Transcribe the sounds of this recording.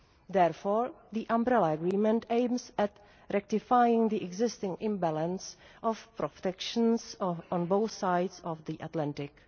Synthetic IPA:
d̪ɛɾfoɹðiʔãmbɾɛlaəɡɾiːmɛ̃ntẽɪmsɛt | ɾɛk̚tɪfajɪ̃ŋd̪iʔɛɡzɪstɪ̃ŋɪ̃mbælə̃ns | ʔɔfpɾɔftɛkʃənsɔ̃nbowθsajdsɔfd̪iʔatlãntɪk

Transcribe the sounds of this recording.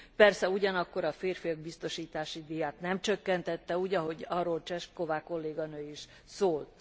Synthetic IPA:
pɛrsɛuɟɒnɒkːo̞ɾɒfeːrfijoɡ̚bist̪o̞ʃiːt̪aːʃid̪ijaːt̪nɛmt͡ʃø̞kːɛnt̪ɛt̪ːɛuːɟɒɦo̞ɟɒrːolt͡ʃɛʃt̪ko̞vaːko̞lːeːɡɒnøːiʃ | soːlt̪

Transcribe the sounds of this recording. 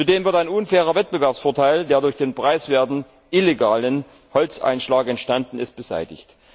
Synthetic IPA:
t͡suːdeːmvɪɐtaɪnʔʊnfɛːʁ̞ɐvɛt̚b̥əvɛɐpsfoːɐtʰaɪldeːɐdʊɐçd̥eːnpʁ̥aɪsv̥eːɐtn̩ | ʔileɡaːlən | hɔlt͡sʔa̰ɪnʃlaːkɛntʃtandn̩ɪst̚b̥əza̰ɪtɪ̰çt

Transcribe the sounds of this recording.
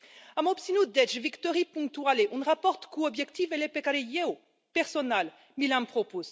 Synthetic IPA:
amɔpsinud̪ɛʒvikt̪ɔʁipɔ̃ŋt̪waleʔɔ̃nʁapɔʁt̪kuɔbʒɛkt̪ifɛlepekaɾejeo | pɛʁsɔnal | milãmpχɔpoz

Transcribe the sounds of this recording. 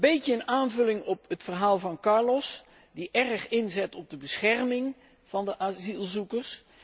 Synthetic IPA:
bejtəənaːnvɵlɪŋɔpətfərɦaːlˠvɑnkɑɹlɔs | diʔɛrχɪnzɛtɔb̚dəbəsχɛrmɪŋ | v̥ɑndəʔazilˠzukəɹs

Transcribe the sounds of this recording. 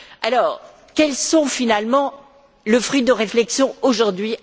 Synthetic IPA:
alɔːʁ | kɛlsɔ̃finalmɑ̃ | ləfχɥid̪əʁeflɛksjɔ̃oʒuʁd̪ɥi

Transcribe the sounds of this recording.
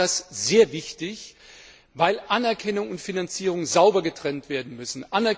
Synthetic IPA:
asz̥eːɐvɪçtɪç | vaɪlʔanɛɐkʰɛnʊŋʊntfinant͡siːʁ̞ʊŋzaʊbɐɡətʁ̥ɛntv̥eːɐdn̩mʏsn̩ʔanɛɐ

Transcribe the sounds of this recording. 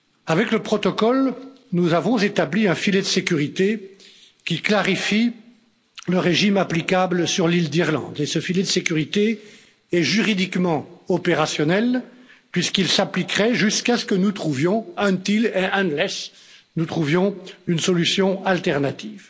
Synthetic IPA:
avɛkləpχɔt̪ɔkɔl | nuzavɔ̃zet̪abliɛ̃filɛd̪əsekʲyʁit̪e | kʲiklaʁifi | ləʁeʒimaplikabləsyʁlild̪iʁlɑ̰̃d̪esəfilɛd̪əsekʲyʁit̪e | ɛʒyʁid̪ikmɑ̃ɔpeʁasjɔnɛlpɥiskilsaplikʁɛʒyskasə̥kənut̪χuvjɔ̃ɛ̃t̪ileʔɛ̃lɛs | nut̪χuvjɔ̃ynsɔlysjɔ̃alt̪ɛʁnat̪iv

